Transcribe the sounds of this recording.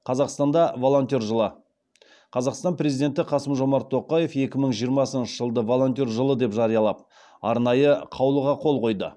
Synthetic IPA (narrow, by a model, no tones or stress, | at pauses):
qʰɑzɑqst̪ɑnd̪ɑvo̞lˠo̞nt̪ʲiorʒəlˠə | qʰɑzɑqst̪ɑnprʲɾe̞zid̪e̞nt̪ɪqʰɑsəmʒo̞mɑɾt̪ʰːo̞qɑje̞fe̞kʲɪməɴʒijəɾmɑsənʃəʒəlˠd̪əvolˠo̞nt̪ʲorʒəlˠəd̪e̞pʒɑɾijɑlˠɑp̚ | ɑ̰ɾnɑjəqʰɑwlˠəʁɑqʰo̞lˠqʰo̞jd̪ə̰